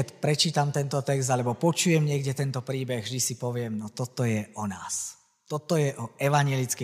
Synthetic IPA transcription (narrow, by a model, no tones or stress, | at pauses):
ɛt̪pɾɛt͡ʃiːt̪amt̪ɛnt̪ɔt̪ɛɡzd̪alɛbɔpɔt͡ʃujɛmɲɪɛɡɟɛt̪ɛnt̪ɔpɾiːbɛɣʒd̪isipɔʋɪɛmnɔt̪ɔt̪ɔjɛɔnaːs | t̪ɔt̪ɔjɛʔɔʔɛʋaɲɪɛlit͡skɛ